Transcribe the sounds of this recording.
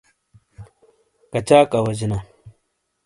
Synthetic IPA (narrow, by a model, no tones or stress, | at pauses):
kat͡ʃakawad͡ʒina